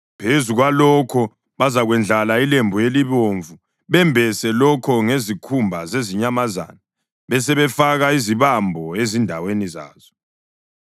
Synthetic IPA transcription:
pʰezuɣwalɔkʰɔ | βazaɣwɛnd͡ɮʱalailembʱujeliβoɱvu | βɛmbʱɛsɛlɔkʰɔŋezikʰumbʱazeziɲamaza̰ːna | βɛsɛβɛfaɣaiziβambʱɔezindʱaweniza̰ːz̥ɔ

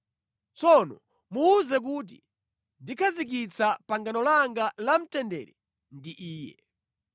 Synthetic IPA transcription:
t͡sɔnɔ | muːzɛk̬uːt̬ḭ | ndikʰazik̬it͡sʰapaŋɡanɔlaŋɡalam̩tɛndɛ̰ɾɛ | ndiʔiːjɛ̰

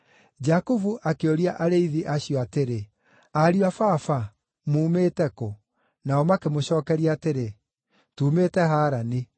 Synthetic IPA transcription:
d͡ʑakuvuʔakeoɾiaʔaɾeiðiʔaɕiɔateɾe | aɾiafafa | muːmeːtɛkɔ | naɔmakemoɕɔːkɛɾiaateɾe | tuːmeːtɛɦaːɾani

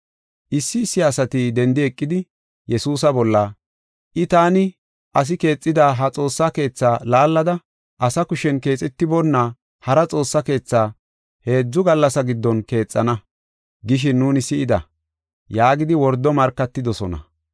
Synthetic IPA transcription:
ʔɪsːɪːsːɪɐsɐt̪id̪ɛnd̪ɪɛkʼːɪd̪ɪ | jɛsuːs̬ɐbɔlːɐ | ʔɪt̪aːnɪ | ʔɐs̬ɪke̞ːt͡sʼːɪd̪aːɦɐt͡sʼo̞ːsːake̞ːt͡sːaːlaːlːɐd̪ɐ | ʔɐsɐkʊʃɛnke̞ːt͡sʼɛt̪ːɪbɔnːa | hɐɾɐt͡sʼo̞ːsːɐke̞ːt͡sːaː | he̞ːd͡zːʊɡɐlːɐsɐɡɪd̪ːɔnke̞ːt͡sʼːɐnɐ | ɡɪʃ̬ɪnːuːnɪsɪʔɪd̪ɐ̰ | jaːɡɪd̪ɪwɔɾd̪ːɔmɐɾkːɐt̪ːɪd̪ɔsɔnɐ̰

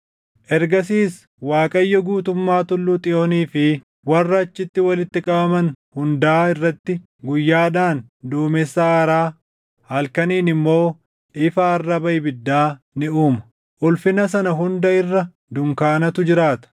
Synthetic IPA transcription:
ʔɛɾɡɐs̬iːs | waːkʼɐjːɐɡuːt̪ʊmːaːt̪ʊlːuːt̪ʼɪjoːniːfɪ | wɐrːɐɐt͡ʃːɪt̪ːɪwɐlɪt̪ːɪkʼɐbɐmɐnhʊnd̪aːɪrːɐt̪ːɪ | ɡʊjːaːᶑaːnd̪uːmɛsːaːɾaː | hɐlkɐniːnɪmːo̞ː | ʔɪfaːrːɐbɐjbɪd̪ːaː | nɪuːmɐ̥ | ʔʊlfɪnɐs̬ɐnɐɦʊnd̪ɐɪrːɐ | d̪ʊŋkaːnɐt̪ʊd͡ʒɪɾaːt̪ɐ̥

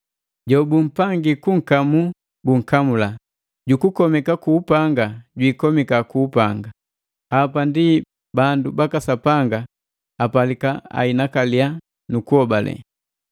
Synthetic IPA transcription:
ɟɔbum̩paŋɡikuŋ̩kamu | buŋ̩kamula | ɟukukɔmɛkakuːpaŋɡaɟwiːkɔmikakuːpaŋɡa | apandi | bandubakasapaŋɡa | apalikaa̰inakalia | nukuhɔbalɛ̰

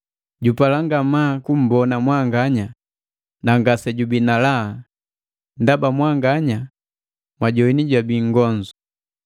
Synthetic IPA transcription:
ɟupalaŋɡamakum̩bɔnamwaŋɡaɲa | naŋɡasɛɟubinala | ndabamwaŋɡaɲa | mwaɟɔiniɟwabiŋɡɔnd͡ʒu

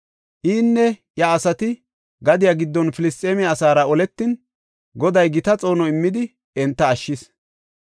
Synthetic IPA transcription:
ʔiːnːɛ | jɐːsɐt̪ɪ | ɡɐd̪ɪjaɡɪd̪ːɔnfɪlɪst̪ʼeːmɛɐsaːɾɐɔlɛt̪ːɪn | ɡɔd̪ɐjɡɪt̪ɐt͡sʼo̞ːnɔɪmːɪd̪ɪ | ɛnt̪ːɐːʃːɪs

